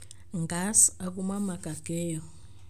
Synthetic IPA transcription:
ŋɡasak̬umamakaɡ̥ɛːjɔ

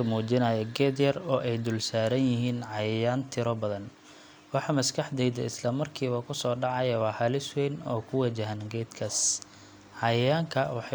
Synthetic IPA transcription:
ɐmuːt͡ʃɪnɐjɐɡɛːd̪jɐrɔːʔɛjd̪ʊlsaːɾɐnjɪɦiːnʕɑjjaːnt̪ʰɪɾɔbɐðɐn | wɑħɑmɐskʰɐħd̪ɛjd̪ɐ̰ɪslɐmɐrkʰiːβɐkʰʊsɔːɖɑʕɑjɐwɑːhɐlɪswɛːnɔ̰ːkʰʊwɐd͡ʒɐɦɐnɡɛːd̪kʰɐs | ʕɑjjaːŋkʰɐwɑħɑ

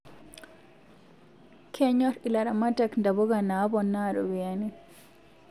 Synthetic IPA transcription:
kʰɛɲɔɾilaɾamatakndabɔɡanabɔnːaɾɔ̰wiani

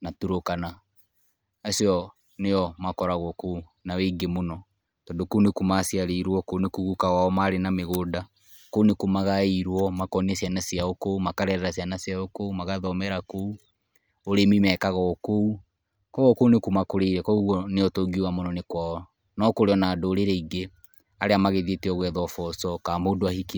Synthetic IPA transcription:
natuɾokana | asiɔ | neɔmakɔɾaɣɔko | naweŋɡemonɔ | tɔdokonekumasiaɾeɾwɔkonekuɣukaɣaɔmaɾenameɣoda | kounekumaɣaiɾwɔmakɔniasianasijaokoumakaɾɛɾɛɾas̬ianasiaokoumaɣaðɔmɛɾakou | oɾemimɛːkaɣɔkou | kɔɣɔkounekumakoɾeiɾɛkɔuɣɔneotoɡiwamonɔnekwa | nɔkoɾeɔnaːdoːɾeɾeiɡe | aɾeamaɣeðieteɔɣwɛðɔfɔsɔkaːmoːdoahik

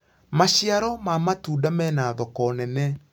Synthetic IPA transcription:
maɕiaɾɔmaːmatuːdamɛnaːðɔkɔnɛnɛ

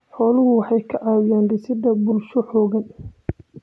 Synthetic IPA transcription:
ħɔːlʊɣʊwɑħɑjkʰɐʕɑːjɪjaːnrɪsɪd̪ɐbʊlʃɔħɔːɣɐn

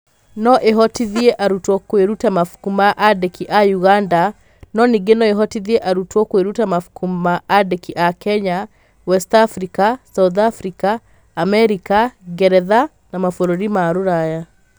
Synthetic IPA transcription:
nɔʔeɦɔtiðieʔaɾutwɔkweɾutamafu̥kumaʔadekiʔajuɣanda | nɔniɡenɔeɦɔtiðieʔaɾutwɔkweɾutamafukummaadekiʔakɛɲa | wɛstafɾikasauðafɾikaː | mɛɾikaɡɛɾɛða | namafoɾoɾimaɾoɾaja

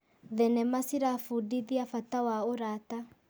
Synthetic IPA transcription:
ðɛnɛmasiɾafudiðiafatawaoɾata

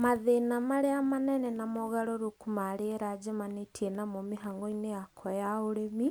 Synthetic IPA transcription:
maðenamaɾeamanɛnɛnamɔɣaɾɔɾokumaɾeɾad͡ʒɛmanetʰiɛnamɔmeɦaŋɡɔineakʰɔjaoɾemi

